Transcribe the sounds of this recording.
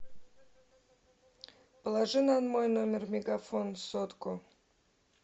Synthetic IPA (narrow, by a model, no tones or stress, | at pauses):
pəlˠaʐɨnanmojnomʲɪrmʲeɡafonsot̪ko